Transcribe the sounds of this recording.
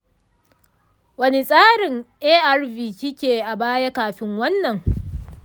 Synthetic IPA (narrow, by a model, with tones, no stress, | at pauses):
wɐ˦ne˨sʼaː˦ɽɪ˨ŋʔeː˦ʔa˦rviː˨kʲɪ˦kʲeː˨ʔa˨baː˦ja˦kaː˨ɸɪ˦ŋwɐ˦nːɐ˨ŋ